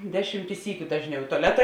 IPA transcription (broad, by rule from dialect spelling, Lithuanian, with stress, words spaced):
ˈdʲæːˌʃʲiːmʲtʲɪ ˈsʲiːkʲʊ ˈdɑːʒʲˌnʲɛʊ ɪ tʊɐˈlʲæːtɐ